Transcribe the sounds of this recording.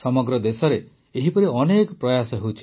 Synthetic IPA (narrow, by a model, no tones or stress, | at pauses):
sɔmɔɡɾɔd̪esɔɾeː | ɦipɔɾiɔnekɔpɾɔjasɔɦewt͡ʃʰi̥